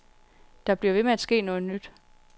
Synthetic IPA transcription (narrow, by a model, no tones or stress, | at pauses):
d̥ɑ̈b̥liɐʋe̝meæd̥sɡ̥e̝̰ːnɔ̽ːð̞̩ˠnyd̥